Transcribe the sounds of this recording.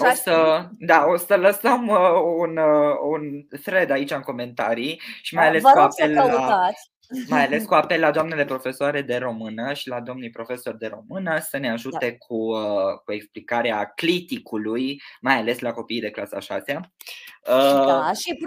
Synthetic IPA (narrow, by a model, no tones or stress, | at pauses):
osəd̪ao̞sələsəmununfɾe̞d̪ait͡ʃaɨŋko̞me̞nt̪aɾiʃimajale̞skuapelːaa | majale̞skuape̞lːad̪oamnele̞pɾo̞fe̞soaɾe̞d̪e̞ɾo̞mɨnəʃilad̪o̞mnijpɾo̞fe̞so̞rd̪e̞ɾo̞̰mɨnəsəne̞aʒut̪e̞kʰukue̞ksplikaɾeaklit̪ikulujmajale̞slako̞pijd̪e̞klasa̰ʃa̰sea | əi